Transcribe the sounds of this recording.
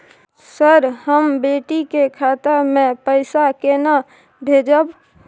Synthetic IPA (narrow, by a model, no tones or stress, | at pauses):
səɾɦəmbeʈikekʰat̪əɾmẽpəɪsakena | bʱed͡ʒəb